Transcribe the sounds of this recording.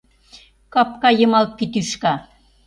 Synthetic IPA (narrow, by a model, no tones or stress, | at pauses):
kɑpkɑjɤ̆mɑlt̪̚pit̪yʃkɑ